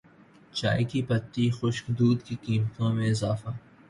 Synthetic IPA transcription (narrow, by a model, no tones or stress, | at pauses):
t͡ʃa̰ːikipɐt̪ːixʊʃkd̪uːd̪kikiːmt̪õmẽɪzaːfaː